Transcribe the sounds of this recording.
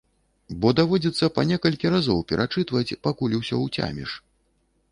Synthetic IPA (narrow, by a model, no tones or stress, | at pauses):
bɔd̪avɔd͡zʲit̪sːɐpanʲɛkɐlʲkʲiɾazɔwpʲɛɾʔat͡ʂɨt̪vɐt͡sʲpakulʲiwsʲɔwt͡sʲa̰mʲɛ̰ʂ